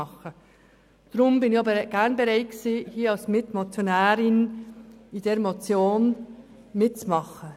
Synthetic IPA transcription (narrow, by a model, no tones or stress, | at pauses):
ɑχə | d̥ɾʊmbɪnɪçɑbɡ̥æɾnbɛɾaɪtksiːhiːɑlsmɪtmɔt͡sjonæːɾɪn | id̥eːɾmot͡sjoːn | mɪt̚t͡smɑχə